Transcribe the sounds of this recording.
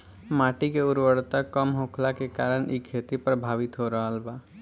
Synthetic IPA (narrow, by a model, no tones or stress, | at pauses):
maːʈikeʊɾwəɽt̪akəmɦõːkʰlakekaːɾəɳ̃ʔikʰːeːt̪ipɾəbʱaːʋɪt̪ɦoɾɐɦəlbaː